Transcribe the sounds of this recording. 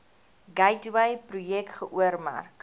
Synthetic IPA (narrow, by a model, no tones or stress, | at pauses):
ɡɐjtwɐjprujɛktχəʔuərmæ̰rk